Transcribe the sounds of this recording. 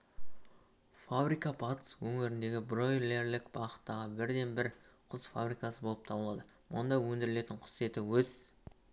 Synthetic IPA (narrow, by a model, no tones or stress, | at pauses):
fabɾijkɑbɑt̪ə̥swɵŋɪɾɪnd̪e̞ɡʲɪbro̞jle̞ɾlɪkbɑʁət̪ːɑʁəbɪɾd̪e̞nbɪɾqʰʊzfa̰brijkɑsəbo̞lˠəp̚t̪ʰɑbəlˠɑd̪ə | mʊ̰nd̪ɑwɵnd̪ɪɾɪle̞t̪ɪɴqʰʊ̥sje̞t̪ɪwɵz